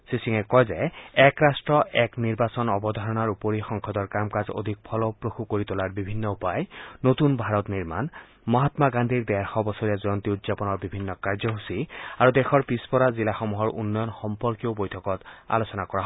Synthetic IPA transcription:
sisiŋɛkɔjzɛɛkɹastɹɔʔɛkniɹbasɔnɔbɔd̪ʱɔɹɔnaɹupoɹixɔŋkʰɔd̪ɔɹkamkazo̰d̪ʱik̚pʰɔlɔpɹoxukoɹit̪ɔlaɹbibʱinːɔupajnot̪unbʱaɹɔt̪niɹma̰n | mɔɦat̪maɡand̪ʱiɹd̪ɛɹxɔbɔsɔɹijazɔnt̪iut̪zapɔnɔɹbibʱinːɔkaɹzɔɦusiaɹud̪ɛxɔɹpispɔɹazilaxɔmuɦɔɹʔṵnːɔjɔnxɔmpɔɹkijobojtʰɔkɔta̰losɔnakɔɹaɦ

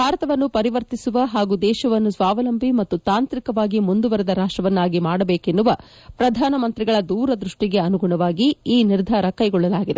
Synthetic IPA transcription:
bʱaːɾɐt̪ɐʋɐnːupɐɾiʋɐɾt̪isuʋɐɦaːɡud̪ɛːʃɐʋɐnːusʋaːʋɐlɐmbʱimɐt̪ːut̪aːnt̪ɾikɐʋaːɡimund̪uʋɐɾɛd̪ɐɾaːʂʈɾɐʋɐnːaːɡimaːɽɐbeːkenːuʋɐ | pɾɐd̪ʱaːnɐmɐnt̪ɾiɡɐɭɐd̪uːɾɐd̪ɾuʂʈiɡe̞ɐnuɡuɳɐʋaːɡiiːniɾd̪ʱaːɾɐkɐjɡɔɭːɐlaːɡid̪e̞

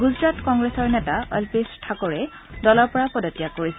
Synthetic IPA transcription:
ɡuzɹatkɔŋɡɹesɔɹnɛtaɔ̰lpestʰakɔɹɛ | dɔlɔɹpɔɹapɔdɔtijakoɹisɛ

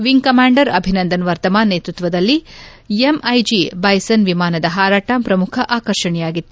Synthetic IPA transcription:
ʋiŋkɐmaːɳɖɐɾɐbʱinɐnd̪ɐnʋɐɾt̪ɐmaːnːeːt̪ɾut̪ʋɐd̪ɐlːi | emɐjd͡ʒibɐjsɐnʋimaːnɐd̪ɐɦaːɾaːʈampɾɐmukʰɐʔaːkɐɾʃɐɳɛjaːɡit̪ːu

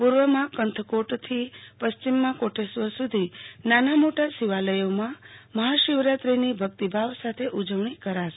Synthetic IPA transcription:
puɾʋəmãkənt̪ʰəkoʈt̪ʰipəst͡ʃimːãkoʈʰesʋəsud̪ʱinanamoʈasiʋaləjomãməɦaʃɪʋɾat̪ɾinibʱək̚t̪ibʱaʋsat̪ʰeʔud͡ʒəʋɳ̃ikəɾaʃe

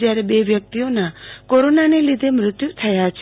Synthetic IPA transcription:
d͡ʒjaɾebeʋjək̚t̪ijonakoɾonanelid̪ʱemɾʊt̪jut̪ʰəjat͡ʃʰ

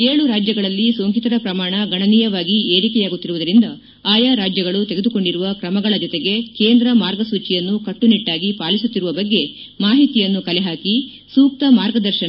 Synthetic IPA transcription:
eːɭuɾaːd͡ʒjɐɡɐɭɐlːisoːŋkit̪ɐɾɐpɾɐmaːɳɐɡɐɳɐniːjɐʋaːɡie̞ːɾikɛjaːɡut̪ːiɾuʋud̪ɐɾind̪ɐ | aːjaːɾaːd͡ʒjɐɡɐɭut̪e̞ɡe̞d̪uko̞ɳɖiɾuʋɐkɾɐmɐɡɐɭɐd͡ʒɔt̪eɡe̞keːnd̪ɾɐmaːɾɡɐsuːt͡ʃijɐnːukɐʈːuniʈːaːɡipaːlisut̪ːiɾuʋɐbɐɡːe̞ | maːɦit̪ijɐnːukɐlɛɦaːki | suːk̚t̪ɐmaːɾɡɐd̪ɐɾʃɐ

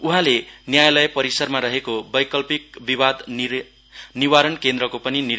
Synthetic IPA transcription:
uɦãlenjajlʌjpʌɾisʌrmaɾʌɦekobʌjkʌlpik̚bibad̪ | niwaɾʌnkend̪rʌkopʌnini

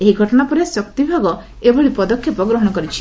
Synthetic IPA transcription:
eɦiɡʱɔʈɔɽ̃apɔɾesɔkt̪ibʱaɡɔ | ebɔɭipɔd̪ɔkʰːjipɔɡɾɔɦɔɽ̃ɔkɔɾit͡ʃʰi̥

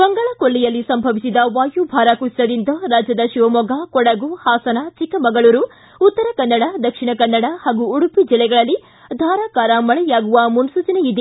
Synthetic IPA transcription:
bɐŋɡɐɭɐkolːijɐlːisɐmbʱɐʋisid̪ɐʋaːjubʱaːɾaːkussɐd̪int̪ɐɾaːd͡ʒjɐd̪ɐʃiʋɐmɔɡakɔɽɐɡuhaːsɐnat͡ʃikɐmɐŋɡɐɭuːɾu | ut̪ːɐɾɐkɐnːɐɽɐd̪ɐkʂiɳɐkɐnːɐɽɐhaːɡuːɽupid͡ʒilːɛɡɐɭɐlːi | d̪ʱaːɾaːkaːɾamɐɭɛjaːɡuʋɐmunsut͡ʃɐneid̪e

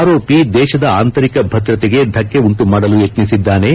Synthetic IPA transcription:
ɾo̞ːpid̪ɛːʃɐd̪ɐaːnt̪ɐɾikɐbʱɐd̪ɾɐt̪ɛɡe̞d̪ʱɐkːe̞uɳʈumaːɽɐlujet̪nisid̪ːaːne̞

